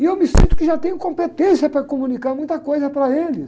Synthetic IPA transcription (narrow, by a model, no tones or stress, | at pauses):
ɪewmɪsḭ̃nt̪ʊ̥kɪʒat̪ẽjʊ̃kõmpet̪ẽsijɐpɾɐkomũnikaɾmũj̃t̪ɐkojzɐpɾɐelɪs